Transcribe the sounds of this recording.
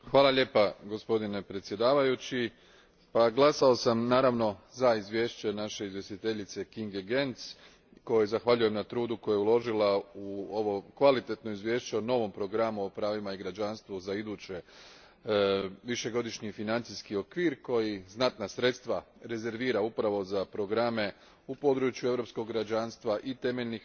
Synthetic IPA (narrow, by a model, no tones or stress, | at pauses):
xʋaːlaʎe̞ːpaɡospo̞d̪ine̞pɾet̪sʲje̞d̪aːʋajut͡ɕi | paɡlˠasao̞samnaːɾaʋno̞zaizʋje̞ːʃt͡ɕe̞naʃe̞izʋje̞st̪it̪e̞ʎit̪se̞kiŋɡeɡe̞nt̪s | ko̞jezaxʋaʎuje̞mnat̪ɾuːd̪ukojojulˠo̞ʒilauoʋo̞kʋalit̪e̞t̪no̞izʋje̞ːʃt͡ɕeono̞ʋo̞mpɾo̞ɡɾamuopɾaːʋimaiɡɾad͡ʒanst̪ʋuzaid̪uːt͡ɕe̞ | ʋiʃe̞ɡo̞d̪iʃɲifinant̪siskio̞kʋiːɾko̞jiznat̪nasɾe̞t̪st̪ʋa | ɾe̞ze̞ɾʋiːɾaupɾaʋo̞zapɾo̞ɡɾame̞ | upo̞d̪ɾut͡ʃjue̞ʋɾo̞psko̞ɡɾad͡ʑanst̪ʋaʔit̪e̞meʎnix